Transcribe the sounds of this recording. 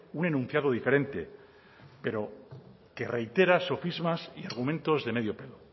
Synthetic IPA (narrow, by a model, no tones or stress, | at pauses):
unenũn̟θjaðoðife̞ɾẽ̞nt̪e̞̰ | pe̞ɾo̞ | ke̞re̞jt̪e̞ɾaso̞fizmasiaɾɣumẽnt̪o̞zðe̞me̞ðjo̞pe̞lo